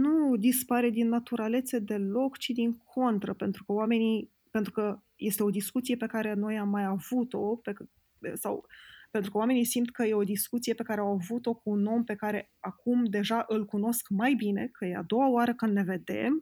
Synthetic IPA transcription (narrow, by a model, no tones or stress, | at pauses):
nud̪ispaɾe̞d̪inːat̪uɾale̞t̪sed̪e̞lo̞kt͡ʃid̪iŋkʰo̞nt̪ɾəpe̞nt̪ɾukəwame̞ni | pe̞nt̪ɾukə | je̞st̪e̞o̞d̪iskut̪sie̞pe̞kaɾeno̞jamːajavut̪o̞pek | sa̰wpe̞nt̪ɾukəwame̞nijsimt̪kəje̞o̞d̪iskut̪sije̞pe̞kaɾeawavut̪o̞kuːno̞mpe̞kaɾe̞ | akumd̪e̞ʒaʔɨlkuno̞skmajbine̞̰kʰəjea̰d̪o̞wawaɾəkɨnd̪le̞ve̞d̪e̞̰m